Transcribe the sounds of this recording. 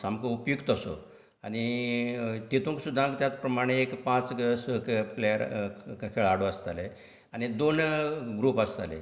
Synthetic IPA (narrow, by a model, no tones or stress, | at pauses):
samkoupjuɡt̪əso̰ | aɽ̃i | t̪it̪ʰũŋksud̪ʱːãkt̪jat͡spɾəmaɽ̃eːkpãt͡ssplejəɾkʰeɭaɽoəst̪ale | aɽ̃id̪onɡɾupəst̪a̰lḛ